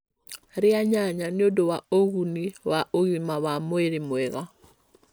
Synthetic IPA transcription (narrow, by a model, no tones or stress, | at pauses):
ɾɪaɲaɲanɪodowaoɣuniwaʔoɣimawamoeɾimwɛɣa